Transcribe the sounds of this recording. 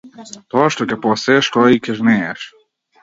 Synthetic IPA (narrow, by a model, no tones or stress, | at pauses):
t̪ɔaʃt̪ɔkʲɛpɔsɛʃt̪ɔikɛʒnɛɛʃ